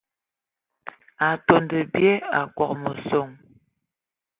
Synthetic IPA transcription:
a˨to˨ndə˨bje˦a˨kwɔ˨k̚mə˨so˦˨ŋ

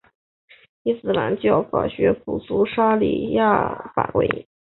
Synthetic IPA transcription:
i˥sɹ̩˨˩la˧˥nt͡ɕjɑ˥˩ʊfa˨˩ɕɥɛ˧˥pʰu˨˩su˥ʂa˥lḭ˨˩ja˥˩fa̰˨˩kwḛ˥ɪ

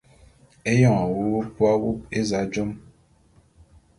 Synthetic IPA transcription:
e˦jɔ̃˦˨wo˦o˦pwa˦wu˦p̚e˦za˨˦d͡ʒɔ˦m

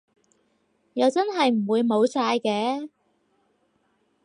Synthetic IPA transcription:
jɐ˨˧wt͡sɐ˥nɦɐ˨jm̩˨˩wuː˨˧jmo˨˧wsaː˧jkɛː˨˥

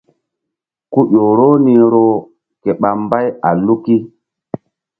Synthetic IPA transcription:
ku˦ʔo˨ɾo˦ni˦ɾo˦ | ke˨ɓa˨mba˦ja˨lu˦ki˦

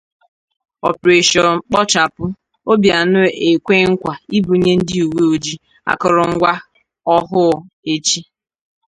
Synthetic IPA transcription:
ɔ̰˨pɾe˨ʃɔ˨ŋ͡m̩˦k͡pɔ˦t͡ʃa˨pʊ˦ | o˦bja˨nʊ˦e˨kʷe˦ŋ̩˦kʷa˨i˦bu˨˦ɲe˦n̩˦dɪ˦u˨we˦o˨d͡ʒi˦ | a̰˨kɔ˨ɾɔ˨ŋ̩˦ɡʷa˦ | ɔ˦ɦʊ˦˨ | e˦t͡ʃi˦

